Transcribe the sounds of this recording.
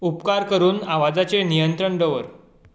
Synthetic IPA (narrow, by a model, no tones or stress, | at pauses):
upkaɾkəɾuːnaʋad͡zat͡senijənt̪ɾəɳɖəʋəɾ